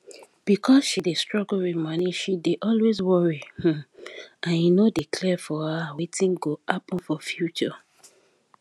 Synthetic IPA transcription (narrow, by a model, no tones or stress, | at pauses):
b̥ikʰɔsʃidestɹ̥ɔɡlwimaniʃideʔɔlwezwɔɹih̩ãnjinodikʰlɛfɔhawetʰĩnɡoapɔ̃nfɔfjut͡ʃɔ